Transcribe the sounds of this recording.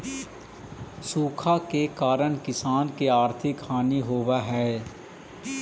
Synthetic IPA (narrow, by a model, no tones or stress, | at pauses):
suːkʰakekaːɾəɽ̃kɪsaːnkeaːɾt̪ʰɪkhaːniɦoːʋaɦɛː